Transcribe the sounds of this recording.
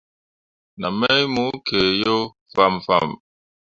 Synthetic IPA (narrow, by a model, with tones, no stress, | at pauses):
na˨mɛ˦jmu˨˦kʰe˨jo˦ | fa˦˨mfa̰˦˨m